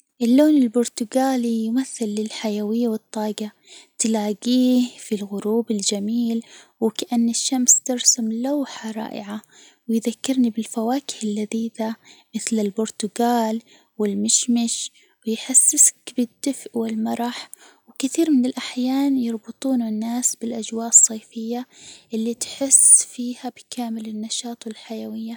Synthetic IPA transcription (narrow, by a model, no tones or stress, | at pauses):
ʔɪlːoːnɪlbʊɾt̪ʊɡaːlijmaθːɪlːɪlħajawɪjːawɨt̪ˤːɑːɡa | t̪laːɡiːhfilɣʊɾuːbɪld͡ʒamiːlwɪkaʔanːɪʃːamst̪ɪɾsamlawħaɾˤɑ̰ːʔɪ̰ʕa | wɪjðakːɪɾnibɪlfawaːkɪ̥hɪlːaðiːd̪amɪθlɪlbʊɾt̪ʊɡaːl | wɪlmɪʃmɪʃ | wɪjħasːɪskbɪd̪ːɪfʔwɪlmɑɾˤɑħ | wkɪθiːɾmɪnɪlʔaħjaːnjɑɾˤbɨt̪ˤuːnanːaːsbɪlʔad͡ʒwaːʔɨsˤːeːfɪjːaʔɪlːit̪ħɪsfiːhabɪkaːmɪlɪnːɑʃɑːt̪ˤɪlħajawɪjːa